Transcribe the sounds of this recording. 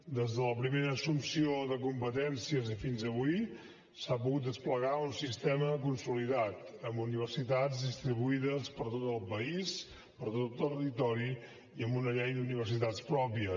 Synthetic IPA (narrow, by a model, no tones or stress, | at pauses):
d̪ezðələpɾimeɾəsumsioðəkumpət̪ɛnsiəzifinzəβui | sap̬uɣut̪̚d̪əspləɣaunsist̪ɛmək̬unsuliðat̪əmbuniβ̞əɾsit̪ad͡zd̪ist̪ɾiβuiðəspəɾt̪ot̪əlˠpəis | pəɾt̪ot̪ərit̪ɔɾi | iəmbunəʎɛjd̪uniβ̞əɾsit̪at͡spɾɔpiə